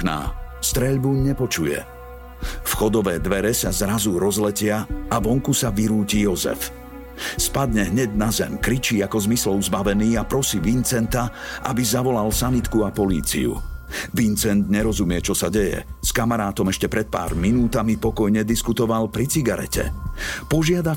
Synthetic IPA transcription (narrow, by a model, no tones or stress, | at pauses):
na̰ːst̪ɾɛʎbuɲɲɛpɔt͡ʃujɛ̰ | fxɔd̪ɔʋɛːd̪ʋɛɾɛsazɾazuɾɔzlɛcɪaaʋɔŋkusaʋiɾuːcijɔzɛ̰f | spad̪ɲɛɦɲɛɟnazɛmkɾit͡ʃiːakɔzmislɔʊzbaʋɛniːapɾɔsiːʋint͡sɛnt̪aʔa̰bizaʋɔlalsanit̪kuapɔlḭːt͡sḭṵʋint͡sɛnd̪ɲɛɾɔzumɪɛt͡ʃɔsaɟɛjɛ̰skamaɾaːt̪ɔmɛʃcɛpɾɛt̪̚pa̰ːɾminuːt̪amipɔkɔjɲɛd̪iskut̪ɔʋalpɾit͡siɡaɾɛ̰cɛ̰pɔʒɪad̪a